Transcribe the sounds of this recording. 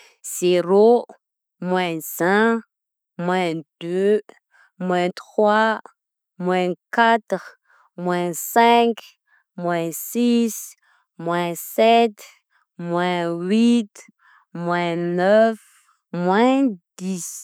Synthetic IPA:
z̥eɾo | mwɛ̃svɛ̃ | mwɛ̃d̪̥ø | mwɛ̃t̪χwa | mwɛ̃kat̪ʁ | mwɛ̃sɛ̃k | mwɛ̃sis | mwɛ̃sɛt̪ | mwɛ̃wit̪ | mwɛ̃nœf | mwɛ̃d̪̥is

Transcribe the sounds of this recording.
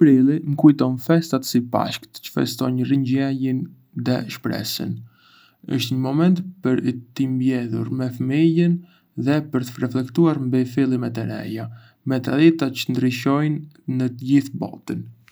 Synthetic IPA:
pɾilˠiŋkujt̪ɔnfɛst̪at̪sipa̰ʃkt̪t͡ʃə̥fɛ̰st̪ɔɲriɲɟɛjin | ðɛ̰ʃpɾɛ̰sə̰n | ə̰ʃt̪ɲəmɔmɛnt̪pəɾt̪imbjɛðṵɾmɛfəmijən | ðɛpəɾt̪ərɛflɛkt̪uaɾmbifilˠimɛt̪əɾɛ̰ja | mɛt̪aðit̪at͡ʃə̥nd̪ɾiʃɔjnː | ət̪əɟiθbɔ̰t̪ən

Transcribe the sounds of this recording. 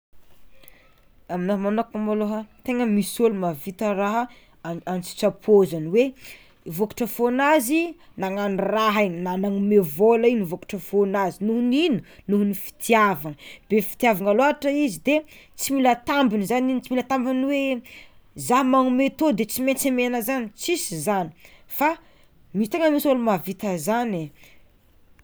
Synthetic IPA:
aminoɦmanokumaloɦət̪eŋəmisolumavit̪əɾaɦə | ant͡si̥t͡ʃapʰozaniwe | voku̥ʈ͡ʂəfonazinaŋanraɦininanaŋumevolainivoku̥ʈ͡ʂəfonazinuɦuninunuɦunifi̥t̪ʰijavaŋəb̥efi̥t̪iavaŋaloaʈ͡ʂəizid̪et͡similət̪ambinizaninit͡similət̪ambinwe | zaɦmaŋumet̪od̪et͡simet͡semenəzanit͡sisizani̥fa | mist̪eŋəmisolumavit̪əzane

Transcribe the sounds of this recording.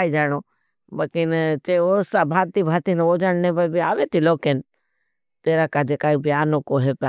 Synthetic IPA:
id͡ʒaːɳoː | bəkɪnt͡ʃeosabʱaːt̪ibʱaːt̪inoːd͡ʒaɳnẽbəbiaːʋet̪iloːkeːn | t̪eːɾakad͡ʒekaːibijaːnokoɦep

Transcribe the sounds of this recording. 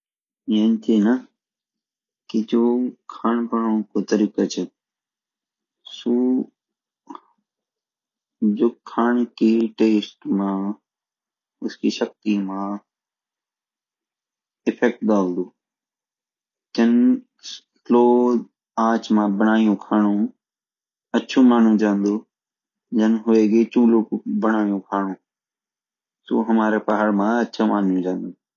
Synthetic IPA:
ənt̪ʰiːnə | kid͡ʒoːkʰaːɳpəɳõːkoːt̪əɾiːkət͡ʃʰe | suː | d͡ʒoːkʰaːɳkiʈeːsʈmãː | ʊskiːʃək̚t̪iːmãː | ɪfʰɛk̚ʈ̚ɗ̪aːʊ̃nd̪uː | d͡ʒd͡ʑɐn | loː | aːt͡ʃmãbəɽ̃aːijũkʰaːɽ̃ũ | ɐt͡ʃʰũmaːn̤ũd͡ʒãːnd̪oː | d͡ʒənɦʊeɡet͡ʃũːlobɐɽ̃aːijũkʰaːɽ̃ũː | soːɦɐmaːɾepɐɦəɽmãɐʃʰamaːn̤ijũd͡ʒãːn̆d̪ũː

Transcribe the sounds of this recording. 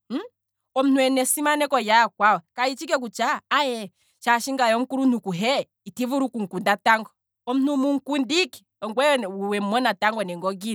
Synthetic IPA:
m̩ | ɔm̩nuɛnɛsimanɛkɔjakwawɔkait͡ʃikɛk̬ut͡ʃaːjɛ | t͡ʃaʃiŋɡajɔŋ̩kuɾunukuɦɛ | itivuɾukuŋ̩kundataŋɡɔ | ɔm̩numuŋ̩kundiki̥ɔŋɡwɛuwɛm̩mɔnataŋɡɔnɛŋɡɔɡi

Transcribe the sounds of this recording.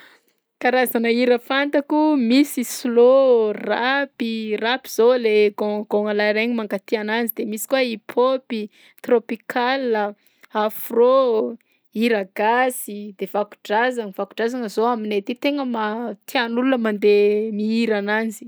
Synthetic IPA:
kaɾazanəiɾəfant̪akumisislorapirapi̥z̥oleɡoɡoŋalajɾeɲimaŋkat̪iananzid̪emisi̥kwaipʰopi | t̪ropikalə | afro | iɾaɡasid̪̥evaku̥ɖ͡ʐazaŋivaku̥ɖ͡ʐazanəzoaminet̪it̪eŋəmat̪ianulunəmand̪emiiɾananzi̥

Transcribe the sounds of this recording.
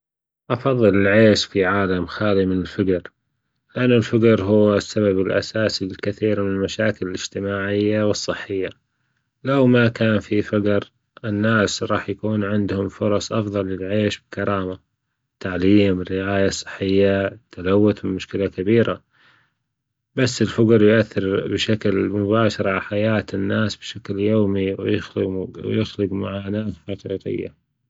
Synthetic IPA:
ʔɑfɑðˤːɨlɪlʕeːʃfiʕaːlamxaːlimɪnɪlfaɡɾ | lɪʔanːʊlfaɡɾˤɦʊwːsːaβabɪlʔa̰saːsilkɪθiːɾmɪnɪlmaʃaːkɪlɪlɪd͡ʒt̪ɪmaːʕɪjːawɨsˤːɨħːɪjːa | lawmakaːnfifaɡɾ | ʔɪnːaːsɾˤɑːħjakuːnʕɪnd̪hʊmfʊɾˤɑsˤʔɑfðˤɑlːɪlʕeːʃbɪkɑɾˤɑːma | t̪aʕliːmɪrːɪʕaːjasˤːɨ̥ħːɪjːat̪ʰːalawːʊt̪mɪmʊʃkɪlakabiːɾa | basːɪlfʊɡɑɾˤjʊʔaθːɪɾbɪʃaklmʊbaːʃɑɾˤʕaħajaːt̪ɪnːaːsb̥ʃakljoːmiwjɪxlwjɪxlɪɡmaʕaːnaːθxɑqḭːqɪ̰jːa̰

